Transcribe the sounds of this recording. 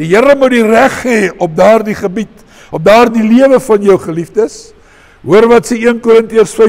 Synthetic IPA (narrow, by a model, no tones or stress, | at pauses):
d̥ijəɾəmudiræχɦɛːɔp̚dɑːrdiχəbit | ɔp̚dɑːrdiliəvəfɐnjəwχəlifdəs | ɦuərvɐtsəiənkuɾəntiərsfɛ